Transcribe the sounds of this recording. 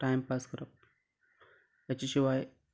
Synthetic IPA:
ʈajmpaskəɾəp̚ | jat͡ɕiɕiʋaj

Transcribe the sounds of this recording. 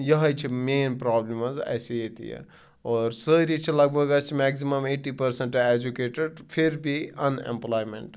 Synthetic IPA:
jɐɦəjt͡ʃʰimeːnpɾaːblimɐzɐ̰seet̪ḭjḛ | ɔːɾsəɾit͡ʃʰilɐɡ̚bʱɐɡɐst͡ʃʰimɛksimɐmeːʈipɐɾseɳʈed͡ʒukeːʈeɖpʰiɾbʱiɐnḛmplaːjmḛɳʈ

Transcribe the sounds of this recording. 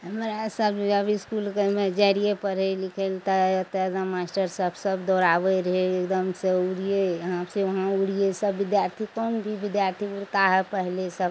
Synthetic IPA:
ɦəmɾasəbəbiskulkemed͡ʒaɾijepəɾelikʰelt̪əət̪ad̪amasʈəɾsəbsəbd̪ɔɾaʋeɾəɦeekd̪əmseuɽijejəɦãpseʋəɦãuɽijesəbːid̪jaɾt̪ʰikɔnbʱiʋid̪jaɾt̪ʰiuɽt̪aɦɛpəɦlesəb

